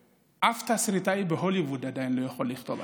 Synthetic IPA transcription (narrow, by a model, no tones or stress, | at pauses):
ʔaft̪asɾit̪aibeɦolivud̪ad̪ajinlojaxolːixt̪ova